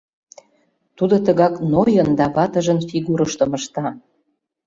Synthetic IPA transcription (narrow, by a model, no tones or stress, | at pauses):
t̪ud̪ot̪əɣɑknojənd̪ɑβɑt̪əʒə̆nfiɣuɾəʃt̪ə̆mə̆ʃt̪ɑ